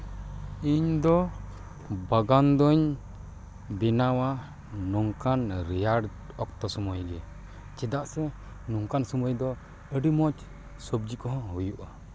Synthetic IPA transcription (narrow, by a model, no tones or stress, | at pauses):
iɲd̪ɔ | baɡand̪ɔɲ | bɛnawa | nuŋkanɾɛjaɽ | ɔkt̪ɔsɔmɔjɡɛ | t͡ʃɛd̪aʔsɛ | nuŋkansɔmɔjd̪ɔ | əɖimɔt͡ʃ | sɔbd͡ʒikɔɦɔ̃ɦujuʔa